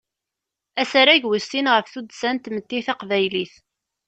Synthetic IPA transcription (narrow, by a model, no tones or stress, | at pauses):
æsaɾæʝwəsinʁəfθud̪sænt̪mət̪ːiθaqvæjliθ